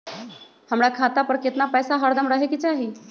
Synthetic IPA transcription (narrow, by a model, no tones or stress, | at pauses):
həmɽakʰat̪apəɾket̪napəjsaɦəɾd̪əmɾaɦekit͡seaɦe